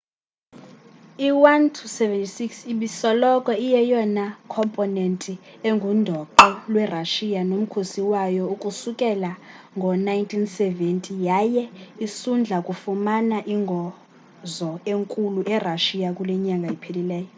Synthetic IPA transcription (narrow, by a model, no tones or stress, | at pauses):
iwantʰusɛvɛntʼisiksiɓisɔlɔkʼɔijɛjɔnakʰɔmpʼɔnɛntʼi | eŋɡʱundʱɔǃɔlwɛraʃijanom̩kʰosiwajɔukʼusukʼɛla | ŋɡʱɔnajntʰinsɛvɛntʼijajɛisund͡ɮʱakʼufumanaʔiŋɡʱɔ | zɔeŋkʼuluʔɛraʃijakʼulɛɲaŋɡʱaipʰelilɛːjɔ